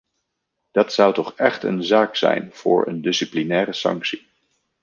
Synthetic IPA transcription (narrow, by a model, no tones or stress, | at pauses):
d̥ɑtsʌwtɔχɛχtənzaːksɛ̰jnv̥ʊ̰ːɹə̰ndɪsiplinɛːɾəsɑ̰ŋksi